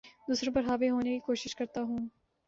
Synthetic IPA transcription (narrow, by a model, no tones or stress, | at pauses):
d̪uːsɾõpɐɾɦaːʋeɦoːnekikoːʃɪʃkɐɾt̪aɦũː